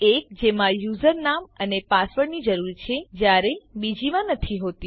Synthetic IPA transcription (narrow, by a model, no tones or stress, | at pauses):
ek̚d͡ʒemãjuzəɾnamənepasʋəɽnid͡ʒəɾuɾt͡ʃʰed͡ʒjaɾẽbid͡ʒimãnət̪ʰiɦot̪ĩ